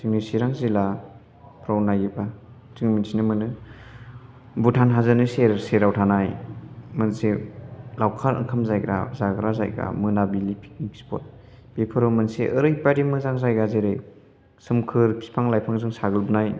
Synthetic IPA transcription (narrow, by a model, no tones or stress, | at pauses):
siŋnisiɾaŋzila | pʰɾawnajɡiba | tɯŋminsinɯmɯnɯ | butʰanɦazɯnɯseɾseɾawtʰanajmɯnselawkʰaɾɯ̰ŋkʰamzajɡɾa̰zaɡɾaza̰jɡa̰mɯnabilipʰi̥k̚nikspʰɔ̰t̚ | b̥epʰɯɾomɯnseʔɯɾɯjbaɾimɯzaŋzajɡazeɾɯj | sɯmkʰɯɾpʰi̥pʰaŋlajpʰaŋzɯŋsaɡɯlbunaj